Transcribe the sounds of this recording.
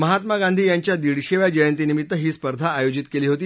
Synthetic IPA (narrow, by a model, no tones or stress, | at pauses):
məɦat̪maɡãnd̪ʱiːjaɲt͡ɕjad̪iɽɕeʋjad͡ʑəjənt̪inimit̪ːəɦiːspəɾd̪ʱaːjod͡ʑit̪keliːɦot̪iː